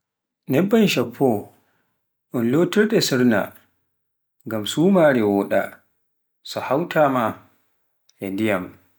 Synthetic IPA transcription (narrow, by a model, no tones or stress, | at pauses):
nɛbːanʃapʰːɔ | ʔɔnlotiɾɗɛsiɾna̰ | ŋɡamsuːmaɾɛwɔːɗa̰ | sɔhawtʰama | ʔɛndijam